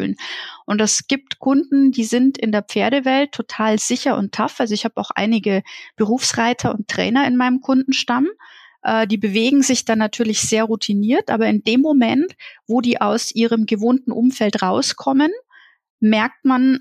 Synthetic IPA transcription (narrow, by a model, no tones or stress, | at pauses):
lnʔʊntɛsɡ̥iːp̚tkʰʊndn̩diːzɪntɪndeːɐp͡feːɐɾəvɛltʰːotʰaːlz̥ɪçɐʔʊ̰ntʰːafʔalzoɪçhaːbaʊxʔa̰ɪnɪɡəb̥əʁ̞uːfsʁaɪtʰɐʊ̰ntʁ̥ɛ̰ːnɐɪnmaɪnəmkʰʊndn̩ʃtamʔɛːdiːbəveːɡŋ̩zɪçd̥anːatʰyːɐlɪçz̥eːɐʁutʰiniːɐtʔa̰ːbɐɪndeːmːomɛntv̥oːdiːʔaʊsʔiːʁ̞əmɡəvoːntn̩ʔʊmfɛltʁaʊskʰɔmən | mɛɐk̚tman